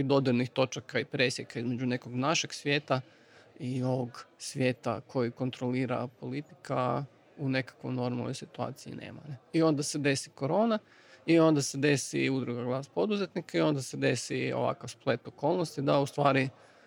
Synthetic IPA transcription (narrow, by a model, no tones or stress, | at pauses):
id̪od̪elnixt̪o̞t͡ʃakaipɾe̞sjekaizme̞d͡ʒune̞ko̞ɡnaʃe̞ɡsʋʲjeːt̪a | io̞ʋoɡsʋʲje̞ːt̪a̰kʰo̞jiko̞nt̪ɾo̞liːɾa̰po̞lit̪i̥ka̰ | une̞kḁkʋojno̞ɾmalnojsit̪ua̰ːt̪siḭnḛma̰ɾeio̞nd̪ase̞d̪e̞siko̞ɾo̞ːna | io̞nd̪ase̞d̪e̞sḭud̪ɾuɡaɡlˠaːspo̞d̪uzet̪nikaio̞nd̪ased̪e̞sḭo̰ʋa̰kaʋsplˠe̞t̪o̞ko̞lˠnost̪id̪aust̪ʋaːɾi